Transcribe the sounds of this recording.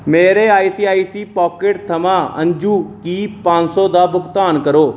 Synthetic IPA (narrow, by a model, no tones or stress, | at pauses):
meːɾeːaːiːsiːaːiːsiːpɔːkɪʈt̪ʰəmãːə̰̃ɲd͡ʒuːkiːpãːɲsõːd̪aːbʊkt̪aːnkəɾoː